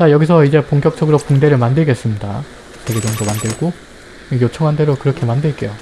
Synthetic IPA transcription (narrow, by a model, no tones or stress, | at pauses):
t͡ɕajʌɡis̬ʰʌid͡ʑe̞poŋk͈jʌk̚t͡ɕ͈ʌɡɯɾokuŋde̞ɾɯɭmandɯɭɡe̞s͈ɯmɲida̰ | te̞ɡe̞d͡ʑʌŋdomandɯɭɡo | ejot͡ɕʰʌŋɦande̞ɾokɯɾʌkʰe̞mandɯɭk͈e̞jo